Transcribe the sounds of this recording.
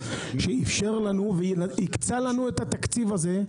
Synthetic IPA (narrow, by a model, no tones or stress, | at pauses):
ʃeifʃeʁlanuvenaikt͡salanuet̪at̪akt͡sivaze̞